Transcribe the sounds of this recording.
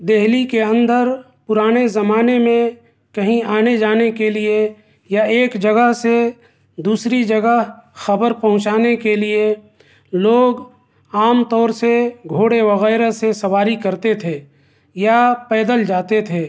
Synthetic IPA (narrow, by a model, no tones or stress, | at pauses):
d̪eɦlikeə̃nd̪əɾ | pʊɾaːnezɐmaːnemẽ | kɐɦĩaːned͡ʒaːnekelie | jaeːkd͡ʒəɡəɦse | d̪uːsɾid͡ʒəɡəɦxɐbəɾpɐɦʊ̃t͡ʃaːnekelie | loːɡ | aːmt̪ɔːɾseɡʱoːɽeʋɐɣɛːɾesesɐwaːɾikɐɾt̪et̪ʰe | japɛːd̪əld͡ʒaːt̪et̪ʰeː